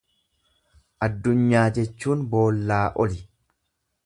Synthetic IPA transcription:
ʔɐd̪ːʊɲːaːd͡ʒɛt͡ʃːuːnbo̞ːlːaːʔɔlɪ

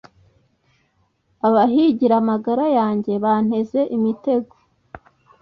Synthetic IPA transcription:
aβaɦiɟiɾamaɡaɾajaːɲɟe̞βan̥he̞ze̞ʔimite̞ɡo

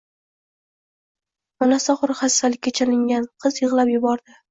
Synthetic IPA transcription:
mɒnasaχʊɾχasːalɪkʲːat͡ʃʰalɪŋɡʲanqʰɨzjɨʁlˠapjʊbɒɾd̪ɪ

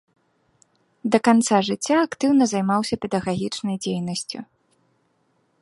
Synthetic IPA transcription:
d̪ɐkant̪saʐɨt͡sʲːaːkt̪ɨwnɐzajmawsʲɐpʲɛd̪ɐɣaɣʲit͡ʂnɐjd͡zʲejnɐsʲt͡sʲṵ

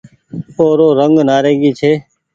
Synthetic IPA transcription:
oːɾoːɾəŋɡnaːɾẽːɡiːt͡ʃʰeː

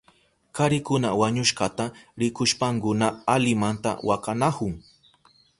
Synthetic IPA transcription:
kaɾɪkʊnawaɲʊʃɢat̪aɾɪkʊʃpaŋkʊnaalɪmant̪a̰wakanahʊŋ

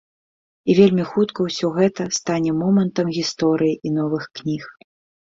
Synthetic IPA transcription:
ivʲelʲmʲixut̪kɐwsʲɔɣɛt̪ɐst̪anʲɛmɔmɐnt̪ɐmɣʲist̪ɔɾɨjiʔin̪ɔvɨxknʲix

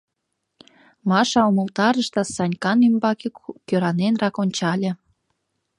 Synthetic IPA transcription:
mɑʃɑumə̆lt̪ɑɾəʃt̪ɑsɑnʲkɑnymbɑkekkøɾɑnenrɑkonʲt͡ɕɑlʲĕ

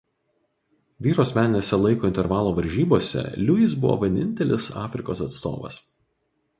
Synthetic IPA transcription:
ʋʲiːɾoːsʲmʲæːnʲɪnʲɛsʲɛlˠɐɪkoːɪnʲt̪ʲɛɾʋɑːlˠoːʋɐɾʲʒʲiːboːsʲɛ̰lʲʊɪs̬bʊʋo̰ːʋʲɛnʲɪnʲt̪ʲɛlʲɪsɑ̰ːfʲɾʲɪkoːsɐt̪st̪o̰ːʋɐ̰s

